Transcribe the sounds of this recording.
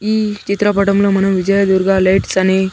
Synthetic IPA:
it͡ɕit̪ɾapaʈəmləm̤ənunʋid͡ʑəjad̪uɾɡalaiʈt͡sane

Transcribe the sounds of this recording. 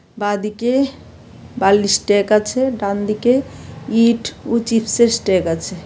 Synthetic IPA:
bad̪ike | balisʈekət͡ʃʰɛɖãnd̪ikeiːʈʰut͡ʃipʰsesʈekətt͡ʃʰɛ

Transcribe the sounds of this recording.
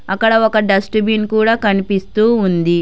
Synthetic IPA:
ɐkːɐɽɐɔkɐɖɐsʈbinkuːɽaːkɐnipist̪uːund̪i

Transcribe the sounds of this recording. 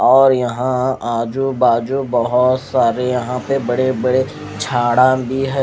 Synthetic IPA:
ɔːɾjɐɦãaːd͡ʒubaːd͡ʒubɐɦʊt̪saːɾejɐɦãpebɐɽebɐɽe | t͡ʃʰaːɽabʱiɦɛː

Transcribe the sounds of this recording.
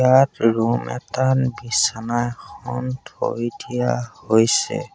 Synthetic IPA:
atɹumɛtanbisanajxɔntʰoɹdijahojsɛ̰

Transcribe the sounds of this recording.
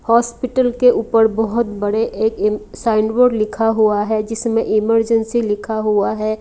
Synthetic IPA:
hɔːspɪʈəlkeuːpəɾbɔɦʊt̪̚bɐɽeʔeːksaːɪɳɖwəːɖlɪkʰaɦuaɦɛd͡ʒɪsmẽʔɪməɾd͡ʒənsilɪkʰaɦuaɦɛː

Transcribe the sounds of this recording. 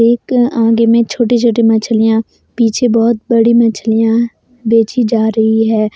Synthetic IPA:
eːkãːɡemẽt͡ʃʰoːʈit͡ʃʰoːʈimɐt͡ʃʰlijã | piːt͡ʃʰẽbɔːt̪̚bɐɽimɐt͡ʃʰlijã | beːt͡ʃid͡ʒaːɾəɦiɦɛː

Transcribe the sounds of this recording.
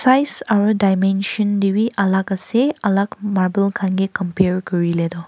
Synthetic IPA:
sajsaɹudajmenʃɔndiwiʔalakaseɐlakmaɹbəlkʰanɡikɔmpeɹkɔɹiled̪ɔ

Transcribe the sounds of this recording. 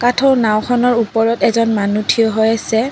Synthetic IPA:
katʰɔnaw̃kʰɔnɔɹupɔɹɔtɛzɔnmanutʰiɔɦojasɛ

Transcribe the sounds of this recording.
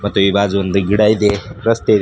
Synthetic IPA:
mɐt̪uibad͡znd̪ɨɡiɽajd̪eɾɐst̪eɾ

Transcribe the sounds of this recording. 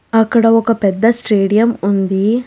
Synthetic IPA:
ɐkːɐɽɐɔkɐpɛd̪ːɐsʈeːɽijɐmund̪i

